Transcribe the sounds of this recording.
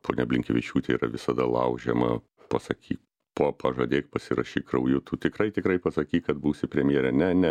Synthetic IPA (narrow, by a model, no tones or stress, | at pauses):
po̰ːnʲɛɐbʲlʲɪŋkʲɛʋʲɪt͡ʃʲuːt̪ʲɛiːɾɐʋʲɪsɐd̪ɐlˠɐ̰ʊʒʲɛmɐ̰ | pɐsɐkʲʰiː | poːpɐʒɐd̪ʲeːk̚pɐsʲɪɾɐʃʲiːkrɐʊjʊt̪uːt̪ʲɪkrɐɪt̪ʲɪkɾɐɪpɐsɐkʲiːkɐt̪buːsʲɪpʲɾʲɛmʲjeɛɾʲɛnʲɛnʲɛ